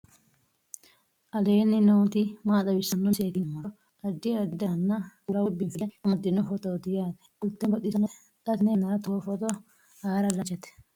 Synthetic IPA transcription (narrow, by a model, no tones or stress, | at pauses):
ʔɐleːnːɪnowt̪ɪmaːt̪ɐbɪsɐnːɔseːkɪnmɔ | ɐd̪ːɪd̪ɪd̪ɐnːɐɡʊɾɐwɔbːɪnfɪlɛmɐd̪ːɪnːɔfɔt̪ɔd̪ɪjaːd̪ɛ̥ʊlt̪ːɛbɐt̪ːɪsɐnɛ | t̪ɐt̪nenːɐɾɐt̪oːfɔt̪ɔ | aːɾɐlɐt͡ʃːɛt̪ɛ̥